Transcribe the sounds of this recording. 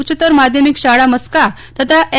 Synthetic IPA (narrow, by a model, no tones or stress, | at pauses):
t͡ɕət̪əɾmad̪ʱjəmikɕaɽaməskat̪ət̪ae